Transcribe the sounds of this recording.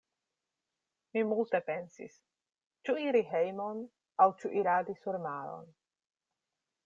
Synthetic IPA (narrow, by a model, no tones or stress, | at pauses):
mimult̪e̞pensḭs | t͡ʃuiɾiɦejmon | awt͡ʃuʔiɾad̪isuɾmaɾo̰n